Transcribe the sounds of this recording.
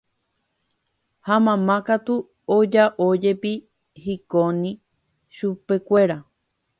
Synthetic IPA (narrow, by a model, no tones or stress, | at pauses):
hamãmãkat̪u | od͡ʒaʔod͡ʒe̞pi | hikõnĩ | ʃupe̞kʷe̞ɾa